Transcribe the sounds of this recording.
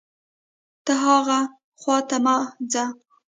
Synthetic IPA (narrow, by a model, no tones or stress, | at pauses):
t̪aɦɑɣa | χwɑt̪amɑd͡za